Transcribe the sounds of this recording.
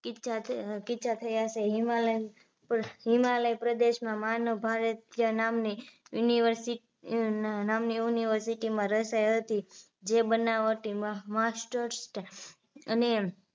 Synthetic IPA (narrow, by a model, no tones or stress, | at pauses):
kit͡ʃakɪʃʰat̪ʰəjat͡ʃeɦimaləj | pɦimaləjpɾəd̪eʃmãmanobʱaɾət̪ijənamnijuniʋəɾsi | namnijuniʋəɾsiʈimãɾəsajɦət̪i | d͡ʒebənaʋət̪imãmasʈəɾsʈ | əne